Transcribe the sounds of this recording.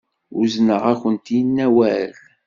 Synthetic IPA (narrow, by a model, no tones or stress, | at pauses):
ʊznəʁæçənt̪jənːæwæl